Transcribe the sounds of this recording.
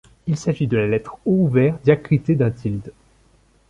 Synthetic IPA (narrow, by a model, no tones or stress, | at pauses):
ilsaʒid̪əlalɛt̪χouvɛːʁd̪jakχit̪ed̪ɛ̃t̪ʰild̪